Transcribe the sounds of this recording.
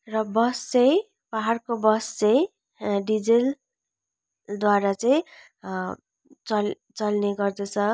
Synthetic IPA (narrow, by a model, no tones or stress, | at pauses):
rʌbʌst͡sʌ̃j | baɦarkobʌst͡sʌj | ɖid͡zel | d̪waɾat͡sʌĩ | t͡sʌl | t͡sʌlneɡʌrd̪ʌt͡sʰʌ